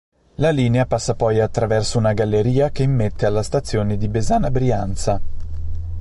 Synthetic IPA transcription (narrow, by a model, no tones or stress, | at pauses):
laliːneapasːapɔjat̪ːɾavɛrsounaɡalːeɾiːakeimːet̪ːealːast̪at̪sːjoːned̪ibezaːnabɾiant̪sa